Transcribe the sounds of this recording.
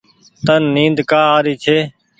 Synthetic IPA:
t̪ənːĩːnd̪kaːaːɾiːt͡ʃʰeː

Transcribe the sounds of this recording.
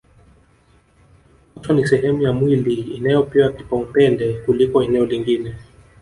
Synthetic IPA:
hatwanisɛɦɛmujamwiliːnajɔpiwaki̥paupɛndɛkulikɔɛnɛɔliŋɡinɛ

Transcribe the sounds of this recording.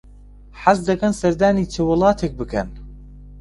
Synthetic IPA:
ħasd̪ɐkɐnsɐɾd̪aːniːt͡ʃʰewɨlˠɑːt̪ʰek̚bɨkʰɐn

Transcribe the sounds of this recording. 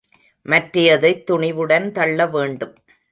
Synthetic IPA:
mɐʈrɪjɐðɐɪt̪ːʊɳɪʋɯɽɐnt̪ɐɭːɐʋeːɳɖɯm

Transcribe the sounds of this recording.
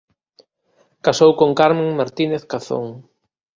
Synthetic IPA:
kasowkoŋkaɾmẽŋmaɾt̪ineθkaθo̰ŋ

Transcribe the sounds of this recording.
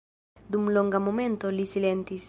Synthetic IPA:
d̪umloŋɡamo̞mẽ̞nt̪o̞lisile̞nt̪is

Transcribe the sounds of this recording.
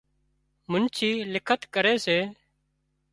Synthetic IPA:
mʊnt͡ʃʰiːlɪkʰət̪kəɾeːseː

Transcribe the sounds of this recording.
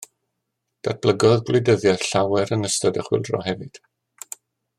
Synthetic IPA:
d̥at̚b̥ləɡɔðɡlɪdəðjḁɬawɛɾənəstɔdɛχwɪ̰lˠdrɔ̰ɦɛvɨd̥

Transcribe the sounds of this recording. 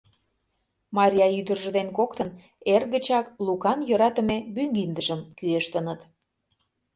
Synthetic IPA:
mɑɾʲijɑyd̪ərʒə̆d̪enkokt̪ən | erɣə̆t͡ɕɑklukɑnjøɾɑt̪əmebyŋɡind̪əʒəmkyeʃt̪ənət̪

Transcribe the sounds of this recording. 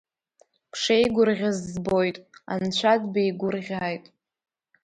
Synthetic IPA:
kʰʂejɡʷʊrʁʲazːbo̞jtʼa̰nt͡ɕʷʰadbejɡʷʊrʁʲaːjtʼ

